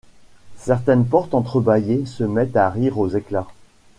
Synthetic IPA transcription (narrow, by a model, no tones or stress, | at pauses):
sɛʁt̪ɛnpɔʁt̪ɑ̃t̪χəbajesəmɛt̪aʁiʁozekla